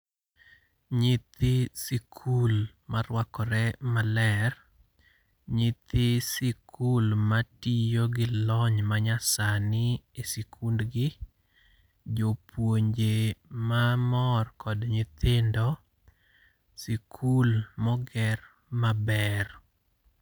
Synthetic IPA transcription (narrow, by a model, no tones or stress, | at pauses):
ɲɪt̪ɪsikʰul | maɾwakɔɾɛmalɛr | ɲɪt̪ʰɪsɪkʰulmatijoɡɪlɔɲmaɲasanɪesikʰundɡɪ | d͡ʒopwoɲd͡ʒemamɔrkɔdɲɪt̪ʰɪndɔ | sikʰulmɔɡɛr | mabɛr